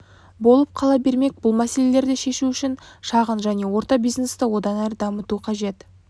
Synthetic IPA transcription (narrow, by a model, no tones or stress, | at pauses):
bo̞lˠəp̚qʰɑlˠɑbe̞ɾme̞k̚bʊlˠmæse̞le̞le̞ɾd̪eʃe̞ʃuʏʃɪnʃɑʁənʒæne̞wo̞ɾt̪ɑbijzne̞st̪ɪwo̞d̪ɑnæɾəd̪ɑmət̪uqʰɑʒe̞t̪